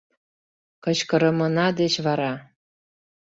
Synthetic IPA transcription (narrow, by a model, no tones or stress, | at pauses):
kɤ̆t͡ɕkɤ̆ɾɤ̆mɤ̆nɑd̪et͡ɕβɑɾɑ